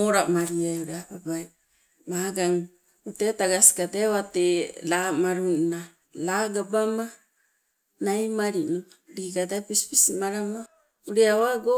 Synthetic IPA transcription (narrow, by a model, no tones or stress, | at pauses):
oɾamaɾiauɾababaj | maɡaŋ | utetaɡasi̥kateβatelamaɾuna | laɡabama | najmaɾinu | ɾiɡadapispisimaɾama | uɾeaβaɡo